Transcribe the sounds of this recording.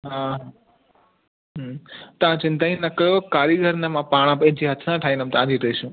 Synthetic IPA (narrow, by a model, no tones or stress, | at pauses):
ɦãɦa | ɦt̪ɐãt͡ʃɪ̃nt̪aːĩnɐkəjokaːɾiɡʱəɾnemãpaːɽ̃ãpɐ̃ɦɪ̃ɲt͡ʃʰiɦɐt̪ʰnãʈʰaːinəmt̪ãːd̪ʱiɾəiʃũ